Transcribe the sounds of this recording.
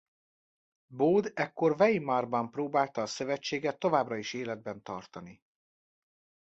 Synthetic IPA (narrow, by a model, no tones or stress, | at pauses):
boːd̪ɛkːo̞rvɛjimɒrbɒmproːbaːlt̪ɒːsøvɛt͡ʃːeːɡɛt̪ːo̞vaːbrɒiʃeːlɛd̪̚bɛnt̪ɒ̰rt̪ɒni